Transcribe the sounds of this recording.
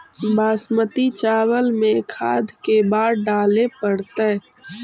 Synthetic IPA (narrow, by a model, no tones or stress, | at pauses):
baːsmət̪it͡ʃaːwəlmẽkʰa̰ːd̪ʱkebaːɾɖaːlepəɽt̪e